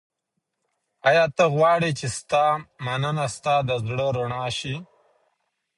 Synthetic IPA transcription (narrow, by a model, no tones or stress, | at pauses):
ajɑːt̪əɣwɑːɽit͡ʃest̪ɑmanənast̪ɑd̪əzɽəɾoɳɑːʃi